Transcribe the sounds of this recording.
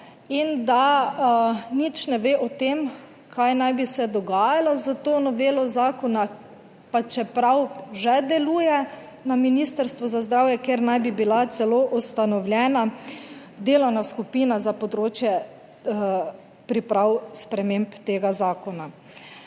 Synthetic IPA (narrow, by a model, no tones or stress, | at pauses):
ind̪a | nit͡ʃnɛʋeːʔɔt̪eːm | kʰajnajbisɛd̪ɔɡaːjalazət̪oːnɔʋeːlɔzaːkɔna | pat͡ʃɛpɾawʒɛd̪ɛluːjɛ | naminist̪əɾst̪ʋɔzazd̪ɾawjɛkeɾnajbibilat̪sɛloʔust̪anɔwlʲjɛːna | d̪eːlawnaskupiːnazapɔd̪ɾoːt͡ʃjɛ | pɾipɾawspɾɛmempt̪eːɡazaːkɔna